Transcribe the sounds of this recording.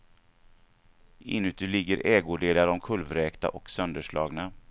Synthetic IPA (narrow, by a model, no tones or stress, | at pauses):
ɪ̰nːʉt̪ʉlɪɡːəɾʔɛːɡʊɖeːlaɾɔmkʰɵlvɾɛːkt̪a̰ʔɔksœnd̪əʂɭɑ̰ːɡna